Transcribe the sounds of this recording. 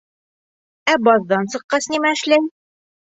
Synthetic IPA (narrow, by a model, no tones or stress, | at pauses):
æbɒðd̪ɑnsɤ̆qːɑsnimæɘ̆ʃlæj